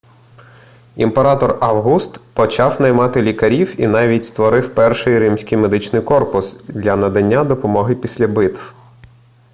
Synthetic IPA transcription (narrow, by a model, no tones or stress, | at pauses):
ḭmpeɾɑt̪ɔrɑwɦust̪pɔt͡ʃɑwnɐjmɑt̪ɪlʲikɐɾʲiwḭnɑʋʲitʲst̪ʋɔɾɪwpɛrʃɪjɾɪmsʲkɪjme̞d̪ɪt͡ʃnɪjkɔrpʊsd̪ʲlʲɐnɐd̪ɐnʲːad̪ɔpɔmɔɦɪpʲisʲlʲɐbɪt̪w